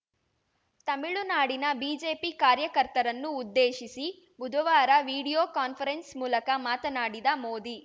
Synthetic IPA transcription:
t̪ɐmiɭunaːɽinɐbiːd͡ʒeːpikaːɾjɐkɐɾt̪ɐɾɐnːuːd̪ːeːʃisi | bud̪ʱɐʋaːɾɐʋiːɽijoːkaːnpʰɐɾensmuːlɐkɐmaːt̪ɐnaːɽid̪ɐmoːd̪i

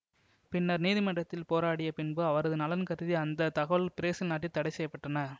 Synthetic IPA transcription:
pɪnːɐɾniːðɪmɐɳʈːɐt̪ːɪlpoːɾaːɽɪjɐpɪnbɯɐʋɐɾɐðɯnɐlɐnkɐɾðiɐnd̪ɐt̪ɐɣɐʋɭpɪɾeːsɪlnaːʈːit̪ːɐɽɐɪsɛjɐpːɐʈːɐnɐ

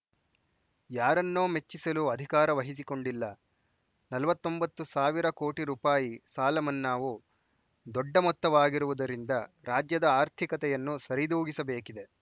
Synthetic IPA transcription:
jaːɾɐnːo̞ːme̞t͡ʃːisɐluɐd̪ʱikaːɾɐʋɐɦis̬iko̞ɳɖilːɐ | nɐlɐʋɐt̪ːo̞mbɐt̪ːusaːʋiɾɐko̞ːʈiɾuːpaːjisaːlɐmɐnːaːʋu | d̪ɔɖːɐmɔt̪ːɐʋaːɡiɾuʋud̪ɐɾind̪ɐ | ɾaːd͡ʒjɐd̪ɐaːɾt̪ʰikɐt̪ɛjɐnːusɐɾid̪uːɡisɐbe̞ːkid̪e̞

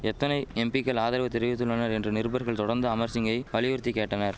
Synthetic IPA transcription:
ɛt̪ːɐnɐɪɛmbɪkːɐlaːðɐɾɐʋɐt̪ːɪɾɯʋɪt̪̬ːɯlːɐnɐɾɛndrɯnɪɾɯbɐɾɣɐɭt̪ɔɽɐɾnd̪ɯɐmɐɾsɪŋɡɐɪʋɐɭɪʋɪɾt̪ːikːeːʈːɐnɐɾ

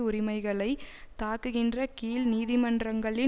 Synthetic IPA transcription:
ʊɾɪmɐɪɣɐɭɐɪ | t̪aːkɯɣɪndrɐkiːlniːðɪmɐndrɐŋɡɐɭɪ

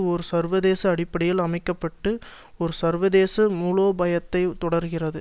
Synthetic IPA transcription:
ɔɾɯsɐɾʋɐðeːsɐːɽɪpːɐɽɪjɪlɐmɐɪkːɐpːɐʈːɯ | ɔɾɯsɐɾʋɐðeːsɐmuːloːbɐjɐt̪ːɐɪt̪ɔɽɐɾɣɪrɐðɯ

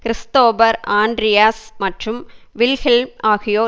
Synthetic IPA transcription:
kɪɾɪst̪oːbɐɾaːnɖɾɪjaːsmɐʈrɯmʋɪlfɪlmaːɣɪjoː

